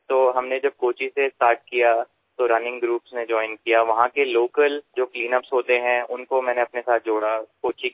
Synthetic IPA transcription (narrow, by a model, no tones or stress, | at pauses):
t̪oːɦɐmned͡ʒɐb̚koːt͡ʃisesʈaːɾʈ̚kija | t̪oɾɐnɪ̃ŋɡɡɾuːpsned͡ʒɔːɪnkijaʋɐɦãkeloːkəld͡ʒoːkliːnəpsɦoːt̪eɦɛ̃ʔʊnkomɛ̃ːneɐpnesaːt̪̚d͡ʒoːɽakoːt͡ʃi